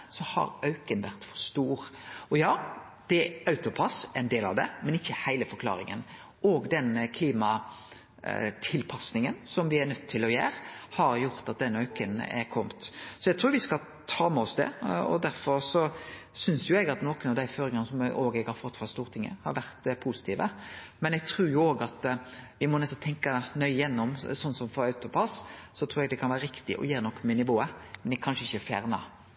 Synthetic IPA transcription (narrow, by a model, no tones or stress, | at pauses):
sɔhɑ̰ɾœʉkənʋæɾt̪fɔ̥ɾst̪uːɾɔjɑː | d̪̥ɛɑʉt̪ʊpʰɑsɛnd̪eːlɑ̰ʋd̪ɛ̰mɛnɪçːəhæɪləfɔɾkʰlɑ̰ːɾɪ̰ŋə̰n | ɔːɡd̪ɛnkʰliːmɑ | t̪ʰɪlpʰɑsnɪŋənsɔmʋɪæɾnœt̪ʰːɪlɔjæ̰ːɾhɑɾjʊɾt̪ɑt̪̚d̪ɛnːœʉkənɛ̰ɾkʰɔmt̪sɔɛɡ̚t̪ɾuːɾʋɪskɑ | t̪ʰɑːmɛɔsd̪ɛ̰ɔ̰d̪æɾfɔɾsɔsʏnsjʊɛɡɑt̪nɔːkənɑʋd̪æɪføːɾɪŋɑnəsɔmɛoːɡɛɡhɑɾfɔt̪ːfɑst̪uːɾt̪ʰɪŋːə̰hɑ̰ɾʋæɾt̪pʰusɪ̥t̪ʰiːʋə̰mɛnɛɡ̚t̪ʰɾuːɾjʊoːɡɑt̪ʋɪmɔnɛst̪ːɔt̪ʰɛŋkɑnœʏjɛnːɔmsɔnːsɔmfɔɾɑʉt̪ʊpʰɑssɔt̪ʰɾuːɾɛɡd̪ɛkʰɑnʋæːɾəɾɪkt̪ɪ̰ʔɔ̰jeːɾnɔkːmɛnɪʋoːəmɛnɛkʰɑnʂəɪçəfjæ̰ːɾnɑ̰